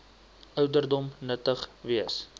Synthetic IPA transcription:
ʔœwdərdɔmnətəχviəs

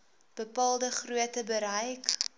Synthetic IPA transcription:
b̥əpɑːlˠdəχruətəbəɾəjk

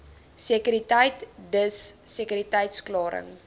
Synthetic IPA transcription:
sekyɾitəjtdəsːekyɾitɐjtsklɑːɾə̰ŋ

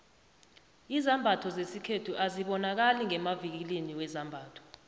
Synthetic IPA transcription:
izambʱatʰɔzesikʰetʰuʔaziɓɔnak̬aliŋɛmavik̬liniwɛzambʱaːtʰɔ̥

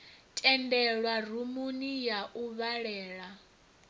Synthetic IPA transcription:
tʼɛndɛɺwarumunijaʔuβaɺɛːɺa

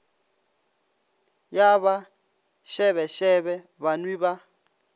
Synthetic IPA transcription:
jaβa | ʃɛβɛʃɛβɛ | βanwiba

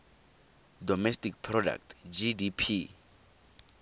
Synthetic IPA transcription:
dɔmɛstik̚pʰrɔda̰k̚tʰd͡ʒidipʰi

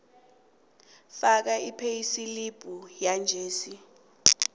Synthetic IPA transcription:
fak̬aipʰejisilib̥ʱujand͡ʒʱeːsi

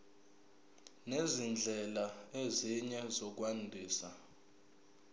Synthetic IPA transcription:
nezind͡ɮʱɛlaeziɲɛzɔk̬wandʱiːsa

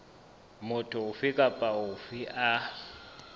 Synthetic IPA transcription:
mʊtʰʊʊfɪkʼapʼaʊfɪʔa

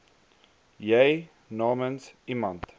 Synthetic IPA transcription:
jeɪ | nɔːmə̃nsimãnt

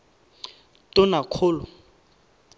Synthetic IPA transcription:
tʼʊnakʰʊːlʊ

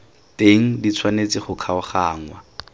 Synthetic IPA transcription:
teŋ̩dit͡sʰwanet͡sɪχʊkʰaʊχaːŋwa

